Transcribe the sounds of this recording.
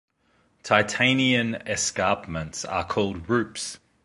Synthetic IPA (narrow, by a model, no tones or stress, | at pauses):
tʰaɪtʰẽɪ̃niə̃nɛskɑˑpmə̃ntsə̰kʰɔːlˠd̚ɹʉˑps